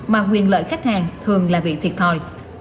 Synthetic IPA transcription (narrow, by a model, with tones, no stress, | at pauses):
maː˨˩kwi˨˩ənlə̰ː˧˨jxa˦˥k̟̚haː˨˩ŋt̪ʰɨ˨˩əŋlaː˨˩ɓḭ˧˨t̪ʰi˨˩ət̚t̪ʰɔ˨˩j